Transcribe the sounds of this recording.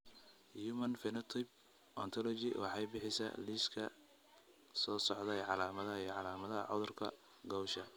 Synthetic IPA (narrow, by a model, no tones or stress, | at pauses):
juːmɐnfɪnɐt̪ʰɪb̚ | ʔɔnt̪ʰɔlɔt͡ʃɪwɑ̰ħɑjbɪħɪsɐ̰liskʰɐ̰ | sɔːsɔʕd̪ɛjʕɑlaːmɐðɐɦɐijʕɑlaːmɐðɐɐ̰ʕʊðʊrkʰɐ̰ | ɡɔwʃɐ